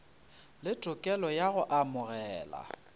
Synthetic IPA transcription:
lɪtʼʊkʼɛlɔjaɣʊʔamʊɣɛːla̰

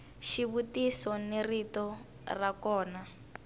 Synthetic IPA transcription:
ʃiβutisɔneritɔ | rakɔːna

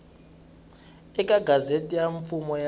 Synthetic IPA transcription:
ɛkʼaɡʱazetʼijaɱfumɔja

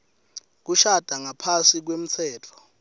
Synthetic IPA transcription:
k̬uʃad̥ʱaŋapʰasik̬wem̩t͡sʰɛːtʰɔ̥

